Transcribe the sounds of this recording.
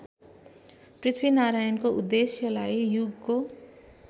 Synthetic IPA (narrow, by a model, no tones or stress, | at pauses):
prit̪ʰbinaɾajʌnkoʔud̪ːesjʌlajjuɡko